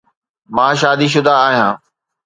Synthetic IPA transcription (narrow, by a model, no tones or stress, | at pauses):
mãːʃaːd̪iːʃ̬ʊd̪ʱaːɦijãː